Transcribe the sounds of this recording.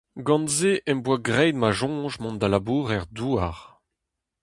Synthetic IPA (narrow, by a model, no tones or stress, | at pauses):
ɡɑ̃nzeʔɛmbwaɡʁɛjd̪maʒɔ̃ːʒmɔ̃nd̪alabuːʁɛʁd̪uaʁ